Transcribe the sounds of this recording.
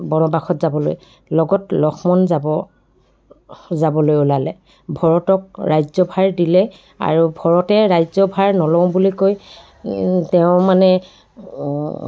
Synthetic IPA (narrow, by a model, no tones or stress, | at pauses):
bɔnɔbaxɔtzabɔlo̰j | lɔɡɔtlɔxʰmɔnzabɔ | zabɔlojulalɛ | bʱɔɹɔtɔk̚ɹajzɔbʱaɹdilɛ | a̰ɹubʱɔɹɔtɛɹajzɔbʱaɹnɔlɔ̃w̃bulikoj | tɛʊ̃manɛ